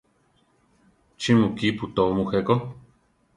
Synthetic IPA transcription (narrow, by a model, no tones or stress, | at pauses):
t͡ʃimũkiput̪oomũxeko